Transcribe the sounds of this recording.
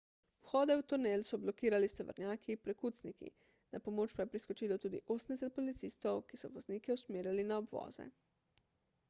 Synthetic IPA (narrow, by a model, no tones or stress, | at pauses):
wxɔːd̪ɛwt̪uneːlsɔblɔkiːɾalist̪ɔʋə̰ɾnjaːkiːpɾɛkut̪snikḭ | napɔmoːt͡ʃpajepɾiskɔt͡ʃiːlɔt̪uːd̪ḭʔoːsən̩d̪ɛsɛt̪̚pɔlit̪siːst̪ɔwkisɔʋɔzniːkɛusmeːɾjalinaɔbʋɔ̰ːzɛ̰